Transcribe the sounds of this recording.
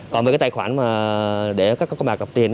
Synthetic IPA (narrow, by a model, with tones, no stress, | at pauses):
kɔ˨nə˨˩aː˨˦t̪ːxwaː˧˩nmaː˨˩ɗe˧˩kaː˦˥kːɔ˦˥kːɔ˧wŋ͡maː˨˩kə˨˩p̚t̪i˧ən